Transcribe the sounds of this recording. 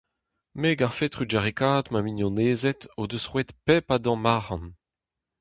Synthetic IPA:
meɡaʁfet̪ʁyd͡ʒaʁekaːd̪maminjɔ̃neːzɛt̪od̪øsʁwɛt̪pɛpad̪ɑ̃maːʁɑ̃n

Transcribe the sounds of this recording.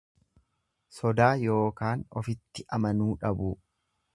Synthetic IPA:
sɔd̪aːjo̞ːkaːnɔ̰fɪt̪ːɪʔɐmɐnuːᶑɐbu

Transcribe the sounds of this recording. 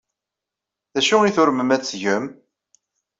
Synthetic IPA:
ðæʃʊiθʊɾməmæt͡sːʝəm

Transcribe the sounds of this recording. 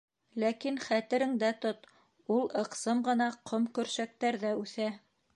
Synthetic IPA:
lækinχæt̪ɘ̆ɾɘ̆ŋd̪æt̪ot̪ | ulˠɤ̆qsɤmɢɤ̆nɑqomkɵ̆ɾʃæk̚t̪æɾðæʉθæ

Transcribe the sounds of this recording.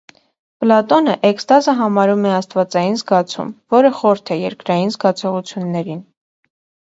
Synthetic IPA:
plɑt̪ɔnəʔɛkst̪ɑzəɦɑmɑɾumɛɑst̪vɑt͡sɑjinzɡɑt͡sʰṵmvɔɾəχɔɾt̪ʰɛjɛɾkɾɑjinzɡɑt͡sʰɔʁut͡sʰjunːɛɾin

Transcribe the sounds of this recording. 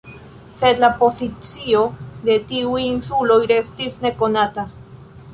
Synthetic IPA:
se̞d̪lapo̞zit͡sio̞d̪e̞tiujinsulo̞jɾe̞stisne̞ko̞nata

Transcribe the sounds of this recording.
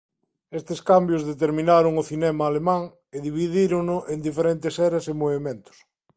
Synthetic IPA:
est̪eskambjozðet̪eɾmĩnaɾʊŋʊθinɛmaːlemãŋ | eðiβ̞iðiɾoŋnʊʔend̪ifeɾent̪esɛɾasemoβemẽnt̪ʊ̥s

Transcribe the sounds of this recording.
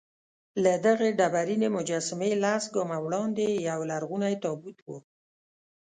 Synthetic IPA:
lad̪aɣeɖabaɾinemʊd͡ʒɑsɪmelasɡɑmawɽɑnd̪ejawlaɾɣunajt̪ɑbut̪wo

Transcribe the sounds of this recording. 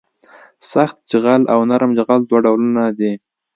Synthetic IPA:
saxt̪̚d͡ʒəɣalʔawnaɾmd͡ʒaɣald̪waɖawlunad̪i

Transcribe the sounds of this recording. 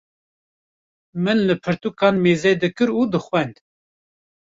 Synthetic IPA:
mɨnlɨpʰɨɾt̪ukɑːnmeːzɛd̪ɨkɨɾuːd̪ɨxwɛnd̪

